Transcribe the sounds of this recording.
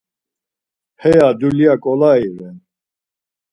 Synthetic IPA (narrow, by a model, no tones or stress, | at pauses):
hɛjad̪uliakʼɔlaiɾɛn